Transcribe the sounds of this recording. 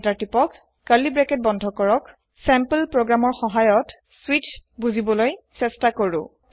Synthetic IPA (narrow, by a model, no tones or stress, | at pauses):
taɹtipɔkː | aɹlibɹɛkɛt̚bɔndʱɔkɔɹɔk | sɛmpəlpɹoɡɹamɔɹxɔɦajɔt | switbuzibɔlojsɛstakoɹʊ̰